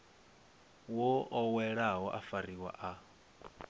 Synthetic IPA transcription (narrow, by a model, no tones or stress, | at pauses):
wɔɔwɛɺaɦɔʔafariwa̰ʔa